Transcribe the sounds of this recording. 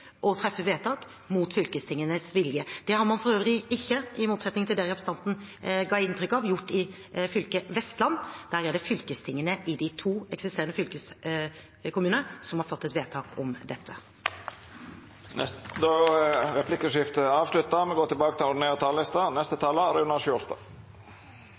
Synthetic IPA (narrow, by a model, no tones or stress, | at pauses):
ʔɔt̪ʰɾɛfːəʋeːt̪ʰɑːk | muːt̪fʏlkəst̪ʰɪŋːənəsʋɪljəd̪̥ɛhɑɾmɑnfɔɾøːʋəlɪɪçːəɪmuːt̪sɛt̪nɪŋt̪ʰɪld̪ɛːɪɑpst̪ɑnt̪n̩ɡɑɪnt̪ʰɾʏkːɑʋjʊʈːɪ | fʏlkəʋɛst̪lɑnːd̪̥æɾjɛlːəfʏlkəst̪ʰɪŋːənəʔɪd̪ɪt̪ʰuːɛksɪst̪eːɾənəfʏlkəs | kʰʊmʉːnəsɔmhɑɾfɔt̪ːɛt̪ʋeːt̪ʰɑːkɔmd̪ɛt̪ʰːə | ɛd̪oɾɛpʰlɪkəʂɪft̪əɑːʋʂlʉt̪ːəmɛɡoːt̪ɪlbɑːkət̪ʰɪlɔɖ̪n̩eːʁət̪ʰɑːlɪst̪ənɛst̪ət̪ʰɑːləɾʉnɑʃost̪ɑ